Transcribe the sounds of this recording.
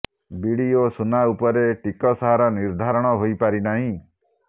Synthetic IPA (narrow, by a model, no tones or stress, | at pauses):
biɽiosunaupɔɾeʈikɔsɔɦaɾɔniɾd̪ʱaɾɔɽ̃ɔɦojpaɾinaɦĩ